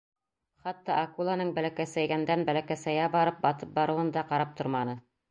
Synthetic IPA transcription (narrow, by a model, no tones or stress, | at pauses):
χɑt̪ːɑʔːkulˠanɤɴbælækæsæjɡænd̪ænbælækæsæjæbɑɾɤp̚bɑt̪ɤp̚bɑɾɤ̆wɤnd̪ɑqɑɾɑp̚t̪ʰŏɾmɑnɤ